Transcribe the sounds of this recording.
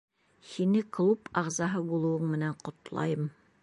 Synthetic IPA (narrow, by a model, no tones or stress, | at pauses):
hinɘklˠupɑʁzɑɦɤbulˠɤ̆wɤɴmɘ̆næɴqŏt̪lˠɑ̰jɤm